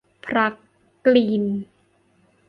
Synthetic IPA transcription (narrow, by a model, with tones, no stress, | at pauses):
pʰɾa˦˥k | kliː˧n